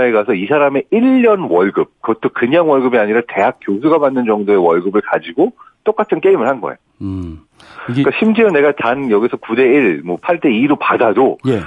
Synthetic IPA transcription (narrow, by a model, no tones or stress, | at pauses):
eɡasʰʌisʰaɾame̞iʎːʌnwʌɭɡɯp̚kʌt͈ʰokɯɲaŋwʌɭɡɯbiaɲiɾate̞ɦak̚k͈josʰuɡamanːɯnd͡ʑʌŋdoe̞wʌɭɡɯbɯɭkad͡ʑiɡot͈ok͈atʰɯnk͈e̞imɯɭhanɡʌ̰ḛjo | kaɕʰimd͡ʑiʌne̞ɡatanjʌɡisʰʌkude̞iɭmʌpʰaɭt͈e̞iɾopadadoje